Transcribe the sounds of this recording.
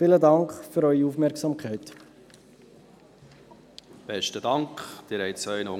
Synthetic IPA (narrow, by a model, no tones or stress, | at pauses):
fɪːlədɑŋkχføɾœʏiufmɛɾksɑːmkʰχɛɪt | b̥ɛʃtədɑŋkχd̪̥ɪɾhɛjtt͡sœʏnəo